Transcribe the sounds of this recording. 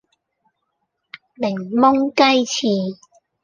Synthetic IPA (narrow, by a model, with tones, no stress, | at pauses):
lɪ˨˩ŋmʊ˥ŋkɐ˥jt͡sʰiː˨˩